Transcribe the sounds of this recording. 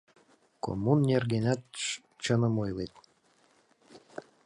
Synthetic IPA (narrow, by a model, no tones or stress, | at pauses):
ko̰mːunːʲerɡenʲæt̪ | t͡ɕənə̆mojlet̪̚